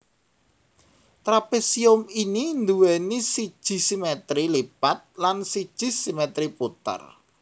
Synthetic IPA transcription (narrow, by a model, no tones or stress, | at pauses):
t̪ɾapesiʊminind̪uwɛnisid̥ʒ̥i̤simɛt̪ɾilipat̪̚lansid̥ʒ̥i̤simɛt̪ɾiput̪ə̰r